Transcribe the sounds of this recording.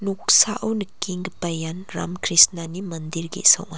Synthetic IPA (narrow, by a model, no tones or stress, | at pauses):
nuk̚saʔɐwnɐkiŋɡpɐjanɾa̰mkʰɾisnanimɐndiɾɡḭsɐ̰wŋa